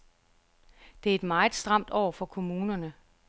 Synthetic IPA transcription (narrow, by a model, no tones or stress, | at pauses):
d̥e̝æɐe̝d̥mɑ̈ːð̩ˠsd̥ʁɑ̈m̰d̥ɒʊ̰ɐfɒ̽kʰo̝muːnɐnə